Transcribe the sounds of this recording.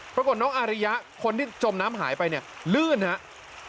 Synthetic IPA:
pɾa˧ko˨˩t̪̚nɔː˦˥ŋʔaː˧ɾa˦˧ja˦˥ʔkʰo˧nt̪ʰiː˥˩t͡ɕo˧mnaː˦˥mɦa̰ː˩˦jpa˧jni˥˩ɐlɯː˥˩nha˦˥ʔ

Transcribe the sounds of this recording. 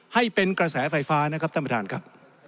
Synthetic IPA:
ha˥˩jpe˧nkɾa˧sɛː˩˦˥fa˧jfaː˦˥na˦˥kʰa˦˥p̚t̪ʰa˥ma˧daː˧nkʰɾa˦˥p̚

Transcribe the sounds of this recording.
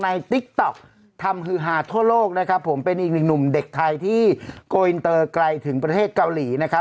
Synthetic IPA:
na˧jt̪i˦˥k̚t̪ɔ˨˩k̚ | t̪ʰa˧mɦɯ˧˩ɦaː˩˧˥t̪ʰu˥˩ɐloː˥˩k̚na˦˥kʰa˦˥pʰːo˩˦mpe˧nʔiː˨˩k̚nɯ˨˩k̚nu˨˩mde˨˩k̚t̪ʰa˧jt̪ʰiː˥˩koː˧i˧nt̪ɤː˧kla˧jt̪ʰɯ˩˦ŋpɾa˧t̪ʰeː˥˩t̪̚ka˧wliː˩˦na˦˥kʰa˦˥

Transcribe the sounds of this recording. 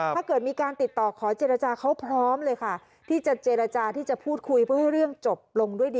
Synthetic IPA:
aː˥˩kɤː˨˩t̪̚miː˧kaː˧nt̪i˨˩t̪ːɔː˨˩kʰɔː˩˦t͡ɕeː˧ɾa˧t͡ɕaː˧kʰa˦˥wpʰɾɔː˦˥mlɤː˧jkʰa˥˩ | t̪ʰiː˥˩t͡ɕa˨˩t͡ɕeː˧ɾa˧t͡ɕaː˧t̪ʰiː˥˩t͡ɕa˨˩pʰuː˥˩t̪̚kʰu˧jpʰɯ˥˩ha˥˩jɾɯ˥˩əŋt͡ɕo˨˩p̚lo˧ŋdu˥˩əjdiː˧

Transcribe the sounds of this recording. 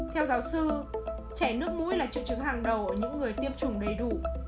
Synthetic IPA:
t̪ʰɛ˧wzaː˨˦wsɨ˧ | t͡ɕɛ˧˩nɨ˦˥ək̚mṵ˧˥jlaː˨˩t͡ɕɨ̰˧˨t͡ɕɨ˨˦ŋɦaː˨˩ŋɗə˨˩wʔəː˧˩ɲɨ̰˧˥ŋːɨ˨˩əjt̪i˧əmt͡ɕʊ˨˩ŋ͡mɗə˨˩jɗu˧˩

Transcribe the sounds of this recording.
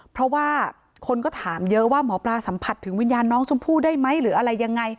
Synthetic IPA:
pʰɾɔ˦˥waː˥˩ | kʰo˧nkɔː˥˩t̪ʰaː˩˦mjɤ˦˥ʔwaː˥˩mɔː˩˦plaː˧sa˩˦mpʰa˨˩t̪ʰːɯ˨˩˦ŋwi˧njaː˧nːɔː˦˥ŋsu˧˦˥ŋpʰuː˥˩daː˥˩jma˦˥jɾɯː˩˦ʔa˧ɾa˧jːa˧ŋːa˧j

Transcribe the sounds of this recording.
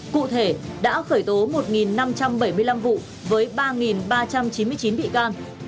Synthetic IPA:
kṵ˧˨t̪ʰe˧˩ɗa̰ː˧˥xəː˧˩jt̪o˨˦mo˨˩t̚ŋi˨˩nːa˧mt͡ɕa˧mɓə˧˩jmɨ˧əjla˧mvṵ˧˨ | vəː˨˦jɓaː˧ŋi˨˩nɓaː˧t͡ɕa˧mt͡ɕi˨˦nmɨ˧ət͡ɕi˨˦nɓḭ˧˨kaː˧n

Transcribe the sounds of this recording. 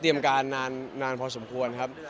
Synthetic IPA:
t̪ɾi˧əmkaː˧nːaː˧nːaː˧npʰɔː˧so˩˦mkʰu˧ənkʰa˦˥p̚

